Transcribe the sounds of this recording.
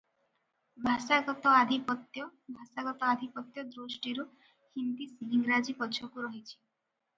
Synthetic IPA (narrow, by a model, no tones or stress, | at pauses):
bʱasaɡɔt̪ɔad̪ʱipɔt̪jɔbʱasaɡɔt̪ɔad̪ʱipɔt̪jɔd̪ɾusʈiɾu | hind̪isiɦiŋɡɾad͡ʒipɔt͡ʃʰɔkuɾɔɦit͡ʃʰi̥